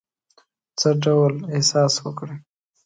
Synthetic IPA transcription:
t͡səɖawlehsɑswəkɽe

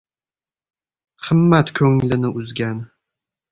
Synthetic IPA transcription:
χʰɨmːat̪kʲʰɵŋlɪnɪʔʊzɡʲan

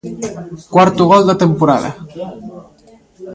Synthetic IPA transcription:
kwaɾt̪uɣ̞old̪at̪empoɾa̰ða̰

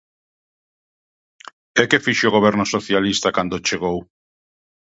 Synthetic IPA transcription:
ekefiʃeoɣoβ̞ɛɾnosoθjalist̪akand̪ot͡ʃeɣow

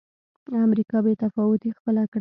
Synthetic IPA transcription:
amɾikɑbet̪afɑwʊt̪ixpəlakɽ

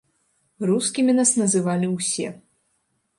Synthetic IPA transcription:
ruskʲimʲinasnɐzɨvalʲiwsʲɛ̰

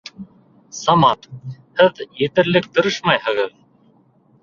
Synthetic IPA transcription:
sɑmɑt̪hɘðjɘ̆t̪ɘ̆ɾlɘkt̪ɤ̆ɾɤʃmɑjhɤ̆ʁɤð

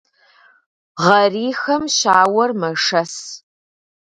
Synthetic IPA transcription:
ʁɐriːxɐmɕaːwɐrmɐʂɐs

